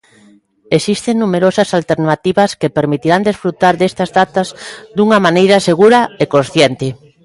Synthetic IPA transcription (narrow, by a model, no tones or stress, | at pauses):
esist̪eŋnumeɾosɐsalt̪eɾnat̪iβɐskepeɾmit̪iɾand̪esfɾut̪aɾðest̪ɐzðat̪ɐzd̪uŋɐmanejɾɐseɣuɾɐekonsθjent̪ɪ